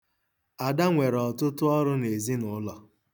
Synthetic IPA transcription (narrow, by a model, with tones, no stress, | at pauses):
a˨da˦ŋʷe˨ɾɔ˨tʊ˦tʊ˦ɔ˦ɾʊ˦ne˨zi˦nʊ˨˦lɔ˨